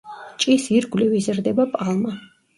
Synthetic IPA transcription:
t͡ʃʼisiɾɡwlivizɾd̪ɛbapʼalˠma

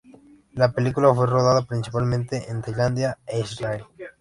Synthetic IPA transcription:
lapelikulafweroð̞aðapɾinsipalmẽnt̪eʔẽnt̪ajlãnd̪jaeisrael

